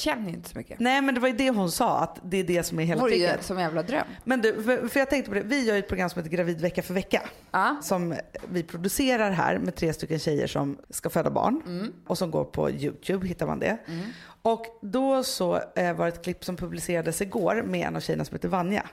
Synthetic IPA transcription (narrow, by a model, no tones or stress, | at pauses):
ɕɛnːjɪ̰nt̪ə̥sɔmʏkːənɛːmɛnd̪ɛvajɵd̪ɛɦʊnsɑːa̰t̪d̪ɛːɖɛsɔmæɾɦeːlaːd̪ə̰sɔmjæːvlad̪ɾœ̰mmɛnd̪ʉːfœɾfœɾjɑɡ̚t̪ɛŋkt̪əpʰɔd̪ɛvɪjœːɾjʏɛt̪̚pʰɾʊɡɾamsɔmheːt̪əɡɾaviːd̪vɛkːafœɾvɛkːa̰ | sɔmvɪpʰɾʊd̪ɵseːɾaɾɦæ̰ːɾmɛt̪ʰɾeːst̪ʏkːənɕɛjːə̰ʂɔ̰mskaføːd̪ːabɑ̰ːɳʔɔsɔmɡo̰ːɾpʰɔ̰jʉ̟̰ːt̪ʰjʉːbhɪt̪ːaɾma̰nd̪ɛ̰ | ɔkd̪ɔsɔvaɾɛt̪̚kʰlɪpːsɔmpʰɵblɪseːɾad̪əsɪɡoːɾmɛɛ̰na̰vɕɛjːənasɔmheːt̪əvanja̰